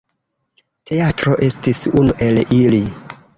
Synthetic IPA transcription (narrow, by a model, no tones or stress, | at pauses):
tʰe̞atɾo̞ʔe̞stisunuʔe̞lili